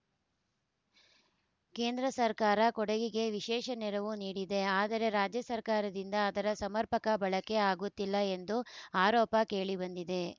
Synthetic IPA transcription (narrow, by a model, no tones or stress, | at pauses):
ke̞ːnd̪ɾɐsɐɾkaːɾɐkɔɽeɡiɡe̞ʋiʃɛːʃɐnɛɾɐʋuniːɽid̪e̞aːd̪ɐɾe̞ɾaːd͡ʒjɐsɐɾkaːɾɐd̪ind̪ɐːd̪ɐɾɐsɐmɐɾpɐkɐbɐɭɐke̞aːɡut̪ːilːɐe̞nd̪uaːɾɔːpɐke̞ːɭibɐnd̪id̪e̞